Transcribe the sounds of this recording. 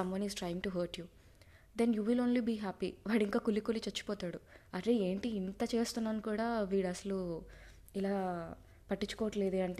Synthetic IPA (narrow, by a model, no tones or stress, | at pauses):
ɐmʋɐnizʈɾajiŋʈuɦɐːɾʈju | d̪enjuːʋilo̞ːnlibiːɦaːpḭʋaːɽiŋkaːkulːikulit͡ʃɐt͡ʃːu̥pɔːt̪aːɽuɐɾeːe̞ːɳʈiːnt̪ɐt͡ʃe̞ːst̪unːaːnukuːɽaːʋiːɽɐsɐlu | ilaː | pɐʈːit͡ʃːukɔːʋɐʈle̞ːd̪eːɐɳʈe